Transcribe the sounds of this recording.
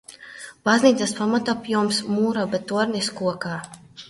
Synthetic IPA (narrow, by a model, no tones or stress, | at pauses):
b̥azniːt̪saspamat̪apjuɔmsmuːɾabɛt̪uɔɾniskuɔkaː